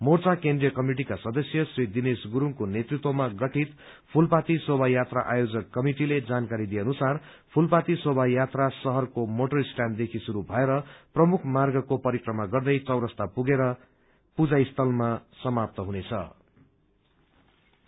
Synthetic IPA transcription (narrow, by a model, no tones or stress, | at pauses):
mort͡sakend̪rijʌkʌmiʈ̬ikasʌd̪ʌsjʌsrid̪inesɡuɾuŋkonet̪rit̪womaɡʌʈit̪ | pʰulpat̪isobʱajat̪ra̰ʔajod͡zʌkːʌmiʈiled͡zankaɾid̪ijeʌnusar | pʰulpat̪isobʱajat̪rasʌɦʌrkomoʈʌɾsʈjand̪ekʰisuɾubʱʌeɾʌprʌmukʰmarɡʌkopʌɾikrʌmaɡʌrd̪ʌjt͡sʌwɾʌst̪apuɡeɾʌ | pud͡zajst̪ʰʌlmasʌmap̚t̪ʌɦunet͡sʰʌ̰